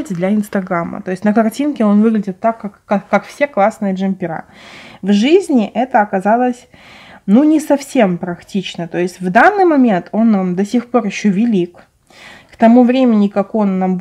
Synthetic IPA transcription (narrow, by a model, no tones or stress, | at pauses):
tʲd̪lʲɐɪnst̪ɐɡɾamə̰t̪o̞ɪsʲtʲnəkɐrtʲinkʲɪo̞nvɨɡlʲɪdʲɪt̪ːakːakːakːakfsʲeklˠasnɨjəʐɨmʲpʲɪɾa̰vʐɨzʲnʲɪʔɛt̪əɐkɐzalˠəsʲnunʲɪsɐfsʲe̞mpɾɐktʲit͡ɕnət̪o̞ɪsʲtʲvd̪anːɨjmɐmʲe̞nt̪ʰo̞nːamd̪ɐsʲɪxpo̞rjɪɕːovʲɪlʲik | kt̪ɐmuvɾʲemʲɪnʲɪkɐko̞nːamb